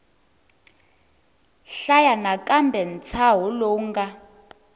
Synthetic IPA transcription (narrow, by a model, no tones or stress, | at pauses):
ɬajanakʼambʱɛn̩t͡sʰaɦɔloːŋɡa